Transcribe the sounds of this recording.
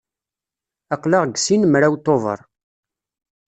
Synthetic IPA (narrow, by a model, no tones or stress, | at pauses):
ɑqlɑʁɡsinmɾawt̪ovə̰ɾˤ